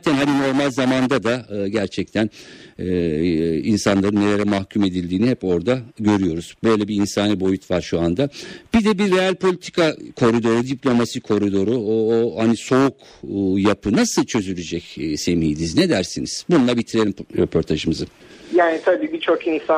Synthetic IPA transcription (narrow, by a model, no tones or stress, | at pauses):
aːt̪ʰænhanino̞ɾmalʲzamand̪ad̪aɯɟæɾt͡ʃʰɛc̚t̪ʰænɛ | insanlˠaɾɯnːe̞lʲe̞ɾɛmahcʰume̞d̪ilʲd̪iːnihɛpo̞ɾd̪aɟø̞ɾyjo̞ɾuz̥bø̞jlʲɛbiːnsaːnibo̞jut̪ʰvaɾʃuand̪ab̥id̪ɛbiɾːe̞alʲpʰo̞lʲit̪ʰi̥kʰakʰo̞ɾid̪o̞ɾud̪iplʲo̞masikʰo̞ɾid̪o̞ɾuohaniso̞ukː | japʰɯnasɯlˠt͡ʃʰø̞zylʲyd͡ʒɛcːse̞miːd̪iznɛd̪æɾsiniz̥bunulˠabit̪ʰiɾe̞lʲimɾepʰo̞ɾt̪ʰaʒɯmɯzɯ | jaːnit̪ʰabiːbit͡ʃʰo̞kinsa